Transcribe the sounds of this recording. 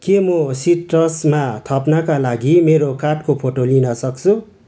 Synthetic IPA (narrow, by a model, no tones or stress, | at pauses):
kemʌsiʈrʌsmat̪ʰapnakalaɡimeɾokaʈkopʰoʈolinʌsʌkt͡sʰu